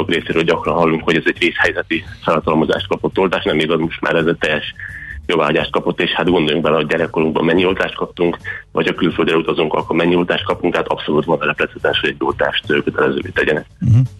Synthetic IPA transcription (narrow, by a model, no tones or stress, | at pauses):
okreːseːɾøːlɟɒkrɒnɦɒlːuŋkho̞ɟɛzɛɟreːshɛjzɛt̪ifɛlɒt̪ɒlmo̞za̰ːʃt̪̚kɒpo̞t̪ːo̞lt̪aːʃnɛmiɡɒzmo̞ʃt̪mʔa̰ːɾɛzɛt̪ɛjːɛʃjovaːɦɒɟaːʃt̪̚kɒpo̞t̪ːeːʃhat̪ɡo̞nd̪o̞juŋɡ̚bɛlɛho̞ɟ̚ɟɛɾɛkːo̞ɾuŋɡbɒ̰mːɛɲːio̞lt̪aːʃt̪kɒp̚t̪uŋkvɒ̰chɒkylyføld̪ɾɛut̪ɒzuŋkɒ̰lkolmɛɲːiolt̪aːʃt̪̚kɒpuŋkt̪hat̪ɒpso̞lut̪ʋonɛlɛplɛt̪hɛt̪ɛnɛʃhoɟɛɟolt̪a̰ːʃt̪økøt̪ɛlɛzø̰ːvḛːt̪ɛɟɛnɛ̰k̚